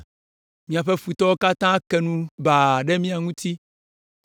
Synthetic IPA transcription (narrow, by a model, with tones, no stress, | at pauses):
mĩ˨a˨ɸɛ˦fu˨t̪ɔ˦wo˦ka˦t̪ã˦kɛ˨nũ˦ba˨ɖɛ˦mĩ˦a˨ŋũ˦t̪i˦